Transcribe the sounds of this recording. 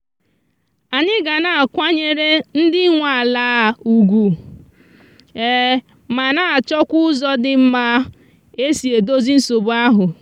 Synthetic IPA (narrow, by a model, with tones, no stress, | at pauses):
a˨ɲɪ˦ɡa˨na˨a˨kʷa˦ɲe˦ɾe˦n̩˦dɪ˦ŋʷa˨laː˦˨u˨ɡʷu˨ | e˦ | ma˨na˨t͡ʃɔ˦kʷʊ˦zɔ˦dɪ˨m̩˦ma˦ | e˦si˨e˨do˦zi˦n̩˦so˨bʊ˦a˦ɦʊ˨